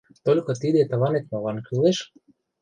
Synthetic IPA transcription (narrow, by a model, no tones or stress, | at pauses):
t̪olʲkot̪id̪et̪lɑnet̪̚mɑlɑnkileʃ